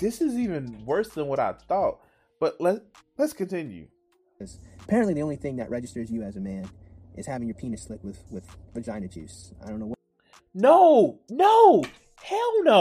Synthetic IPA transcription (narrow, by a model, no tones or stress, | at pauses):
ðɪsɨzivɨ̃nwɜ˞sðə̃nwʌɾa̰ɪθɔt̚ | b̥ʌtlətlɨtskʰɨ̃ntʰɪ̃njʉ̰ | ʌz̥əpʰɛɹɨ̃nʔliðiõʊ̃liθɪ̃ŋðɨ̰ʔɹɛd͡ʒɨstə˞zjɨɨzɨmæ̃n | ʔɨ̰z̥hævɪ̃ŋjə˞pʰĩnɨstslɪkwɨð̥wɪð̥v̥əd͡ʒãɪ̃nɨt͡ʃʰʉ̰s | aɪdõʊ̃nːoʊ | noʊnoʊ | hɛlˠno